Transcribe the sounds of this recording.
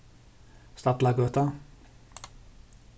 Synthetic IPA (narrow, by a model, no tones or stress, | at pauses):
st̪ɑt̪lɑɡøːt̪ɑ